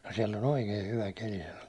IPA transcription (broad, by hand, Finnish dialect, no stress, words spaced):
no siɛlː on oikei hyʋæ keli sɑno